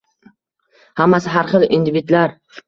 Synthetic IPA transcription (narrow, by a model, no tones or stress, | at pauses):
hamːasɪɦaɾχɨlˠḭnd̪ivid̪laɾ